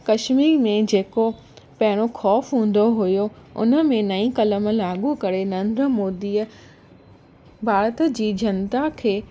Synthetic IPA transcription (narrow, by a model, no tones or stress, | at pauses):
kɐʃmiːɾmẽd͡ʑeːko | pɐɦɪɽ̃oxɔːfɦũːn̆d̪oɦʊjoʊ̰nə̆mẽnɐĩkɐləm̆laːɠukɐɾenəɐ̃ːnd̪ɾəmoːd̪iːə | bʱaːɾət̪əd͡ʑiːd͡ʑɐnt̪akʰeː